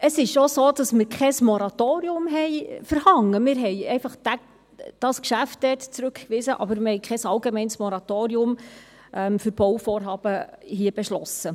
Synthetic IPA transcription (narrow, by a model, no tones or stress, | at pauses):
əsɪʃosoːd̥ɑsmɪɾkʰɛsmɔɾɑtoːɾiʊmɦɛɪfəɾhɑŋːəmɪɾɦɛjɛɪfɑχd̥æ | d̥ɑskʃæft̚d̥ɛːtt͡sɾʉkkʋɪsəʔɑ̰bəɾmɪɾhɛjkχɛsɑlɡemɛɪnsmɔɾɑtoːɾiʊm | ʔɛmfʏɾb̥ɔwfoːrɦɑːb̥əɦiəb̥eʃlɔsə